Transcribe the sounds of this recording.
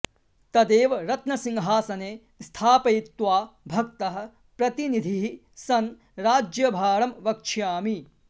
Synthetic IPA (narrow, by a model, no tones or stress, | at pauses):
t̪ɐd̪eːʋɐɾɐt̪nɐsiŋɦaːsɐneː | st̪ʰaːpɐjit̪ʋaːbʱɐk̚t̪ɐɦɐ̆ | pɾɐt̪inid̪ʱiɦi | sɐn | ɾaːd͡ʒjɐbʱaːɾɐmʋɐk̚t͡ʃʰjaːmi